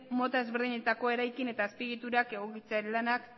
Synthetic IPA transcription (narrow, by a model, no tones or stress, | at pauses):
mo̞t̪aezβeɾðiɲe̞t̪ako̞e̞ɾajkine̞t̪aːspiɣit̪uɾake̞ɣ̞o̞kit͡seaɾelanak